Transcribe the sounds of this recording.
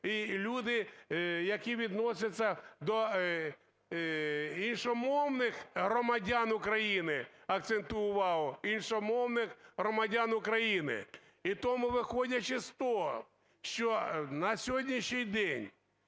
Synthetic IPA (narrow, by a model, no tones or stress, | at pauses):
ilʲud̪ɪjɐkiʋʲid̪nɔsʲɐt͡sʲːɐd̪ɔ | inʃɔmɔwnɪxɦɾɔmɐdʲanʊkɾɐjinɪɐk̚t̪sent̪ʊjʊʋɑwɔinʃɔmɔwnɪxɦɾɔmɐdʲanʊkɾɐjinɪ̰ | it̪ɔmʊʋɪxɔdʲɐt͡ʃɪst̪ɔɦɔ̰ | ʃt͡ʃɔnɐsʲɦɔdʲnʲiʃnʲɪjd̪ɛnʲ